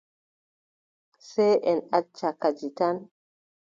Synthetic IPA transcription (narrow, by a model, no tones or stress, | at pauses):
sɛjʔɛnat͡ʃːakad͡ʒitan